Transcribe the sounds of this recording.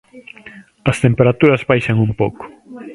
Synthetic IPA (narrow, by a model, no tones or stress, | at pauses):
ɐst̪empeɾat̪uɾɐzβajʃɐŋumpo̰wkʊ̥